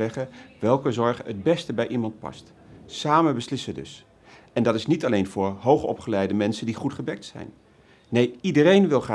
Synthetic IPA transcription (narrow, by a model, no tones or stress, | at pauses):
ɛχəʋɛlˠkəzɔɹχəəd̚bɛstəbɛjʔimɑnt̚pɑ̰st | saːmənbəslɪsədɵ̰s | ɛndɑtɪsnitɑlejnvʊːɹɦowχɔ̰pχəlɛjdəmɛnsəndiχutχəbɛk̚tsɛ̰jnː | ejidərejnʋɪlˠχra